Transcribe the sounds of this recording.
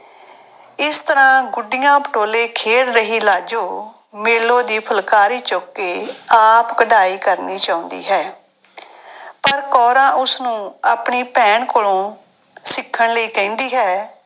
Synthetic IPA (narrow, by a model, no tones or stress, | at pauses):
ɪst̪əɾãːɡʊɖɪjãːpəʈoːleːkʰeːɽɾəɦiːlaːd͡ʒoː | meːlõːd̪iːpʰəlkaːɾiːt͡ʃoːkːeːaːpkəɖaːiːkəɾniːt͡ʃaːʊ̃nd̪ḭːɦɛː | pəɾkɔːɾãːʔʊsnũːaːpɳiːpɛ̃ːɳkoːlõː | sɪkʰːəɳləiːkɛ̃ːnd̪iːɦɛː